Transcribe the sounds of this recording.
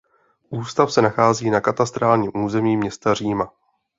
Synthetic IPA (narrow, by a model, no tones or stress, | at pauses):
ʔuːst̪afsɛnaxaːziːnakat̪ast̪ɾaːlɲiːmʔuːzɛmiːmɲɛst̪ar̝iːma